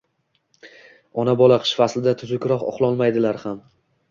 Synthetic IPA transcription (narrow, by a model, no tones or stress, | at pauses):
ɒnabɒlˠaqʰɨ̥ʃfaslɪd̪at̪ʰʊzʊkʲɾɒqɒ̰qlˠɒlmajd̪ɪlaɾham